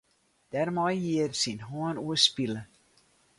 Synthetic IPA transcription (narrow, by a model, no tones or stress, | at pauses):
d̥ɛrmɔjɦiərsinɦɔənuəspilə